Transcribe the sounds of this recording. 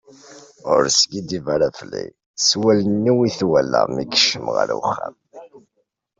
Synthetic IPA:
ʊɾsɡid̪ivaɾaflːḭ | swælənːiwiθwælːə̰mikʃəmʁa̰ɾwəχːæ̰m

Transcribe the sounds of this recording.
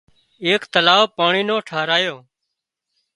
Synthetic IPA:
eːkt̪əlaːʋpaːɳiːnõːʈʰaːɾaːjoː

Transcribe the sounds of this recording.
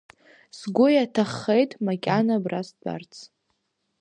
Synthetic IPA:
sɡʷʊjatʰaχːejtʼmakʲʼanabrasda̰rt͡sʰ

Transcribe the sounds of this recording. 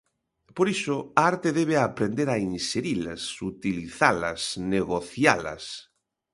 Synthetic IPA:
poɾisoaaɾt̪eðeβ̞eapɾend̪eɾainseɾila̰sut̪iliθalɐ̰sneɣoθja̰lɐ̰s

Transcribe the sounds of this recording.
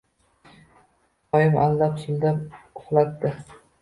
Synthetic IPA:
ɒjɪmʔalːapsʊld̪apʊχlˠat̪ːɪ

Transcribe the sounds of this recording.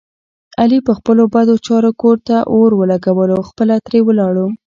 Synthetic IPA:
alipəxpəlobad̪ot͡ʃɑɾokoɾt̪aʔoɾwəlaɡawəloxpəlat̪ɾewəlɑɽu

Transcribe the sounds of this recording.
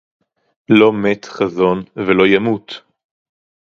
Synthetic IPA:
lo̞met̪χazo̞nvelo̞jamut̪

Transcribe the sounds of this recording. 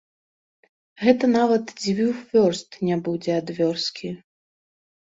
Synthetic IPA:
ɣɛt̪ɐnavɐt̪d͡zʲvʲiwvʲɔrst̪nʲabud͡zʲɛad̪vʲɔrskʲʰi

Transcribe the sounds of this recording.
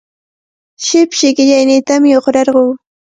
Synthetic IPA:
ʃɪpʃɪkɪʎajnɪt̪amɪoχɾɑɾɢoː

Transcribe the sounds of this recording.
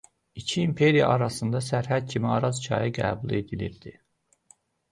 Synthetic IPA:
icʰiːmpʰe̞ɾijɑ̰ʔɑɾɑsɯnd̪ɑsæɾɦæd̪̥̚cʰimiɑɾɑzcʰɑ̰jiɡæ̰ːbulˠe̞d̪iliɾd̪̥i

